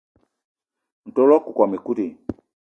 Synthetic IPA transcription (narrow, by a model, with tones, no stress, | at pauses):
n̩˨to˦lɔ˦ku˨kwa˨me˨ku˦ti˨